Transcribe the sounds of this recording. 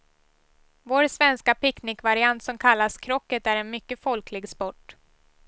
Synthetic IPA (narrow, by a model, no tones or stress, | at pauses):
voːɾsvɛnskapɪknɪkvaɾɪant̪sɔmkʰalːaskʰɾɔkːət̪æɾɛnmʏkːəfɔlkʰlɪɡspɔʈː